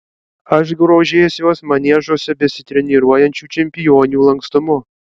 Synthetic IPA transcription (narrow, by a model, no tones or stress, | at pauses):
ɐʃ̬ɡɾoːʒʲesʲjoɔsmɐnʲɛʒosʲɛbʲɛsʲɪt̪ʲɾʲɛnʲiɾuɔjɛnʲt͡ʃʲut͡ʃʲɛmʲpʲɪjonʲuːlˠɐŋkst̪ʊmʊ